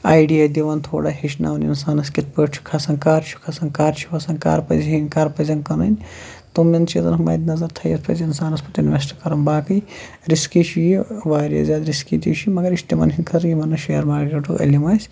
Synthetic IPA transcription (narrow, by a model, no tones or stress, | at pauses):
aːjɖijaːd̪iʋaːnt̪ʰoːɽaːɦiʃna̰ːunḭnsaːnɐskʲit̪̚ʰpəːʈt͡ʃʰu̥kʰɐsɐnkaːɾt͡ʃʰu̥kʰɐsɐnkaːɾt͡ʃʰu̥ʋɐsɐnka̰ːɾpɐzɦinkaːɾpɐzɐnkɐnɐnʲ | t̪umːɐnt͡ʃʰet̪ɐ̰nɦmɐ̰ːjd̪nɐzɐɾt̪ʰɐjɐt̪ʰpʰɐ̰zinsaːnɐspɐt̪inʋesʈɐ̥kɐɾɐnbaːkɐj | ɾiskit͡ʃʰijiʋaːɾijɐ̰zʲaːd̪ɾiskid̪ḭt͡ʃʰimɐɡɐɾiʃt̪imɐ̰nɦinʲkʰɐɾjimɐnːɐʃejɐɾmaːɾkeʈṵʔɐ̰lʲimaːsʲ